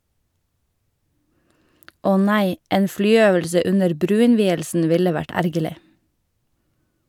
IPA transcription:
ˈɔ ˈnæɪ ˈeːn ˈflyːˌøːʋəlsə ˈʉnəɾ ˈbɾʉːɪnˌʋiːəlsn̩ ˈʋɪlə ˈʋæʈ ˈæɾɡəlɪ

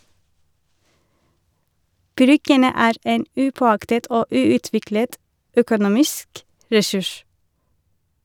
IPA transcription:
ˈbɾʏɡənə ˈæːɾ ˈeːn ˈʉːpɔˌɑktət ˈoː ˈʉːʉˌtʋɪklət ˈœkʊˌnuːmɪsk ɹɛˈsʉʃ

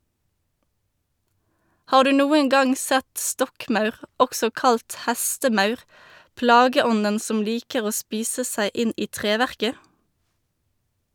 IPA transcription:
ˈhɑːʁ ˈdʉː ˈnuːəŋ ˈɡɑŋ ˈsɛt ˈstɔkˌmɑʉʁ ˈɔksɔ ˈkɑlt ˈhæstəˌmɑʉʁ ˈplɑːɡəˌɔnən ˈsɔm ˈliːkəʁ ˈoː ˈspiːsə ˈsæɪ ˈɪn ˈiː ˈtʁeːʋæʁkə

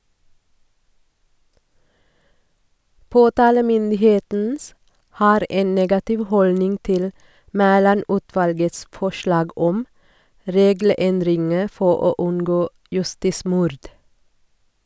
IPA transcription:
ˈpoːtɑːləmʏndɪˌheːtn̩ ˈhɑːɾ ˈʔeːn ˈneːɡɑtɪʋ ˈhɔlnɪŋ ˈtɪl ˈmæːlɑˌnʉːtʋɑlɡəts ˈfɔʃlɑːɡ ˈɔm ˈɾeːɡl̩ˌɛndɾɪŋə ˈfɔ ˈoː ˈʉnɡoː jʉˈstiːˌsmʊɾd

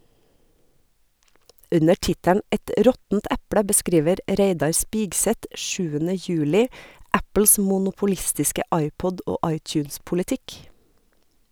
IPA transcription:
ˈʉnə ˈʈɪtæɳ ˈʔɛt ˈɾɔtn̩t ˈʔæpɽə bəˈskɾiːʋəɾ ˈɾeɪdɑɾ ˈspiːɡsɛt ˈʃʉːənə ˈjʉːlɪ ˈæpl̩s mʊnʊpʊˈlɪstɪskə ˈʔɑɪˌpɔdʔ ˈoː ˈʔɑɪˌtjʉːnspʊlɪˌtɪk

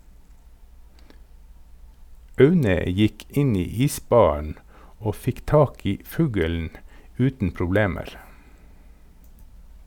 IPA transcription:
ˈɑʉnə ˈjɪk ˈɪn ˈiː ˈiːˌsbɑːɳ̩ ˈoː ˈfɪk ˈtɑːk ˈiː ˈfʉːɡɛln̩ ˈʉːtn̩ pɾʊˈbleːməɾ

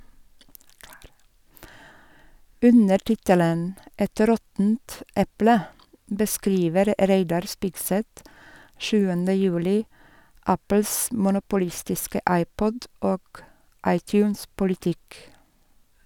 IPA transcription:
ˈʉnəɾ ˈtɪtələn ˈɛt ˈɾɔtnt ˈɛplə bəˈskɾiːʋəɾ ˈɾeɪdɑɾ ˈspɪɡsɛt ˈʃʉːəndə ˈjʉːlɪ ˈæpl̩s mʊnʊpʊˈlɪstɪskə ˈɑɪˌpɔd ˈoːɡ ˈɑɪˌtjʉːns pʊlɪˈtɪk

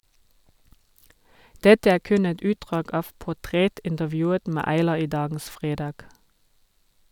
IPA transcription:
ˈdɛtə ˈæː ˈkʉn ˈɛt ˈʉːtdʁɑːɡ ˈɑːʋ pʊˈtʁɛtɪntəˌʋjʉːət ˈmæː ɑɪˈlɑː ˈiː ˈdɑːɡn̩s ˈfʁeːdɑːɡ

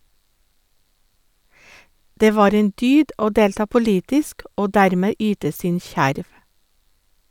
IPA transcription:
ˈdeː ˈʋɑːɾ ˈeːn ˈdyːd ˈoː ˈdeːltɑː pʊˈliːtɪsk ˈoː ˈdæɾmeː ˈyːtə ˈsɪn ˈçæɾʋ

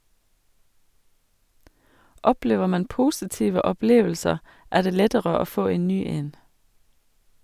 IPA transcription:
ˈɔpleːʋə ˈmɑn ˈpʊsɪtiːʋə ɔˈpleːʋəlsəʁ ˈæː ˈdeː ˈlɛtəɾə ˈoː ˈfoː ˈeːn ˈnyː ˈeːn

